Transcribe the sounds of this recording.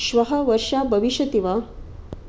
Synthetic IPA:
ɕʋɐɦəʋəɾʂabʱɐʋiɕjɐt̪iʋa

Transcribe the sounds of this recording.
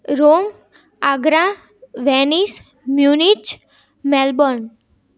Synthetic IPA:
ɾom | aɡɾã | ʋɛnis | mjunit͡ʃ | mɛlbɔɳ

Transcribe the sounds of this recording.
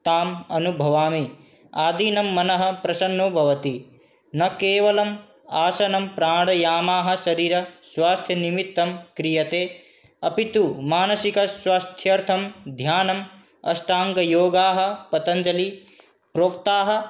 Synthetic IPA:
t̪aːmɐnubʱɐʋaːmi | aːd̪iːnɐmːɐnɐɦɐ̆pɾɐʃɐnːoːbʱɐʋɐt̪i | nɐkeːʋɐlɐm | aːsɐnɐmpɾaːɽɐjaːmaːɦɐ̆ʃɐɾiːɾɐswaːst̪ʰjɐnimit̪ːɐmkɾijɐt̪eː | ɐpit̪umaːnɐsikɐswaːst̪ʰjɐɾt̪ʰɐmd̪ʱjaːnɐm | ɐ̰sʈaːŋɡɐjoːɡaːɦɐ̆pɐt̪ɐɲd͡ʒɐli | pɾoːk̚t̪aːɦɐ̆

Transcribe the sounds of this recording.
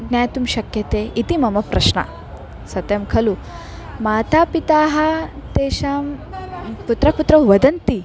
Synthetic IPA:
njaːjt̪umʃɐkjɐt̪eːʔit̪imɐmɐpɾɐ̰ʃɳɐ̰ | sɐt̪jɐmkʰɐlu | maːt̪aːpit̪aːɦɐ̆t̪eːʃaːm | put̪ɾɐput̪ɾɐʋɐd̪ɐnt̪i

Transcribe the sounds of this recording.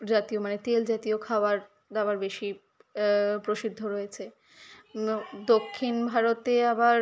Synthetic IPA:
d͡ʑat̪iomanet̪eld͡ʑat̪iokʰaoaɾ | d̪abaɾbeʃi | pɾoʃid̪ʱːoɾojet͡ɕʰe | d̪okʰːinbʱaɾot̪eabaɾ

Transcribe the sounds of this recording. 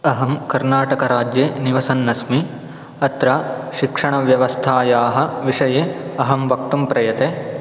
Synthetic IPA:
ɐɦɐmkɐɾnaːʈɐkɐɾaːd͡ʒjeːniʋɐsɐnːɐsmi | ɐt̪ɾaʃikʂɐɳɐʋjɐʋɐst̪ʰaːjaːɦɐ̆ʋiʂɐjeːɐɦɐmʋɐk̚t̪umpɾɐjɐt̪e

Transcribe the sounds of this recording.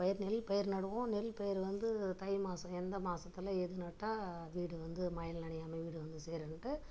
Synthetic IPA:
pɐjɪɾnɛlpɐjɪɾnɐɽɯʋõnɛlpɐjɪɾʋɐnd̪ɯt̪ɐɪmaːsɐ̃ɛnd̪ɐmaːsɐt̪ːɪlɐɛðɯnɐʈːaːʋiːɽɯʋɐnd̪ɯmɐjɐnnɐɳɪjaːmɐʋiːɽɯʋɐnd̪ɯseːɾɐɳʈːɯ

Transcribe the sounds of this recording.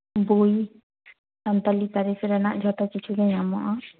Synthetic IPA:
buj | sant̪alit̪aɾisɛɾɛnaʔd͡ʒʱɔt̪at͡ʃit͡ʃʰuɡɛɲamɔʔɔ

